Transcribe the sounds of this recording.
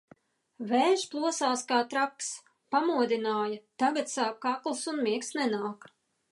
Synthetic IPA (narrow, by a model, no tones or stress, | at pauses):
vɛːʒplˠuɔsaːskaːt̪ɾaks | pamuɔd̪inaːjɐt̪aɡat̪saːk̚kaklˠsunmiɛksnɛnaːk